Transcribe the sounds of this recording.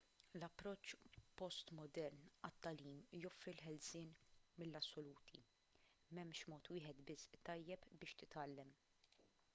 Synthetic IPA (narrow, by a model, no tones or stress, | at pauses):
lɐpːɾɔt͡ʃːpɔst̪mɔd̪ɛɾnɐt̪ːɐliːmjɔfɾilħɛlsɪːnmɪlːɐsːɔluːt̪ʰḭ | mɛmʃmɔːt̪wɪːħɛt̪bɪst̪ːɐjːɛpbɪːʃt̪ɪt̪ɐlːɛm